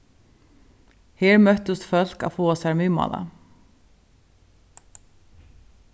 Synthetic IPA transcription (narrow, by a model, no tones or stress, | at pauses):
hɛːɹmœht̪ʊst̪fœl̥ka̰fɔːasamʏːma̰ːla̰